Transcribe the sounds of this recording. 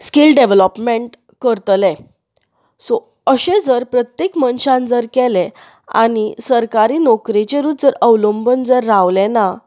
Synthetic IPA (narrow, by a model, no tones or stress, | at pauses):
skilɖeʋləpmeɳʈ | kəɾt̪le | so | əɕẽd͡zəɾpɾət̪jekmənɕãnd͡zəɾkɛlẽ | a̰ñisəɾkaɾiːnɔkɾit͡ɕeɾuːt̪d͡zəɾəʋləmbənd͡zəɾːaʋlẽna